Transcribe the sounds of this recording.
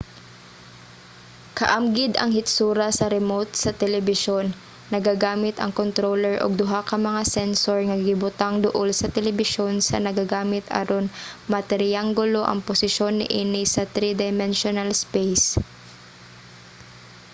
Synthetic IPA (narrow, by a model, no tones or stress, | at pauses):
kɐʔɐmɡɪd̪ɐ̰ŋhɪt̪suːɾɐsɐɾɛmot̪̚sɐt̪ɛlɛbɪʃonː | ɐɡaɡaːmɪt̪ɐ̰ŋkont̪ɾoːlɛɹʔo̰ɡ̚d̪ʊɦakɐmɐŋasɛnsoɹŋɐɡɪbʊt̪aŋd̪ʊʔolsɐt̪ɛlɛbɪʃo̞nsɐ̰nɐɡaɡaːmɪt̪ʰɐ̰ɾonmɐt̪ɛɾɪaŋɡʊlo̞ʔɐ̰ŋposɪʃo̞nːɪ̰ʔiːnɪsɐt̪ɾid̪ɐjmɛnʃonalspɛjs